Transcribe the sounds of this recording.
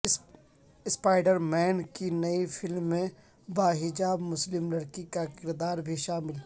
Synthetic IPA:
ɪspaːɪɖəɾmɛːnkinɐifɪlmːẽ | baːɦɪd͡ʒaːbmʊslɪmlɐɽkikakɪɾd̪aːɾbʱiʃaːmɪl

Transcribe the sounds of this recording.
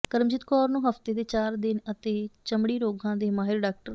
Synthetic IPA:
kəɾmd͡ʒɪt̪kɔːɾnũːɦəft̪eːd̪eːt͡ʃaːɾd̪ɪnət̪eːt͡ʃəmɽiːɾoːɡʱãːd̪eːmaːɦɪɾɖaːk̚ʈəɾ

